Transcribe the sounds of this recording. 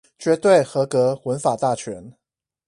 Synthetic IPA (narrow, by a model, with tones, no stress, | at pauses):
t͡ɕɥɛ˧˥t̪we˥˩ɪxɤ˧˥kɤ˧˥xwə˧˦˥nfa˨˩t̪a˥˩t͡ɕʰɥɛ˧˥n